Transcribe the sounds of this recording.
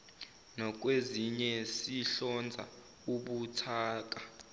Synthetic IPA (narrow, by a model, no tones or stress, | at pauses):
nɔk̬ʼweziɲɛsiɬɔnd͡zʱa̰ | uɓutʰaːk̬a